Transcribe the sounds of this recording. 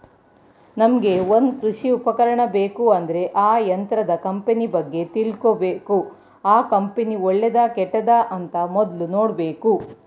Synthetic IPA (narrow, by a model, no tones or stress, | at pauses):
nɐmɐɡe̞ond̪kɾuʂiupɐkɐɾɐɳɐbeːkuɐnd̪ɐɾe̞ʔaːjɐnt̪ɾɐd̪ɐkɐmpenibɐɡːe̞t̪ilkobeːku | aːkɐmpenioɭːed̪aːkɛʈːɐd̪aːʔɐnt̪ɐmɔd̪lunoːɽbeːku